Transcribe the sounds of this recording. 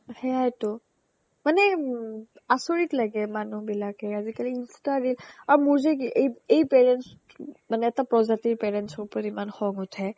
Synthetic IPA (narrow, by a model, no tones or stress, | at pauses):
xɛajtʊ | manɛ | asoɹitlaɡɛmanubilakɛazikaliinstadilaɹumʊɹzɛkiʔejejpɛɹɛns | manɛːtapɹɔzatiɹpɛɹɛnsɔɹpotimanxɔŋʊtʰɛ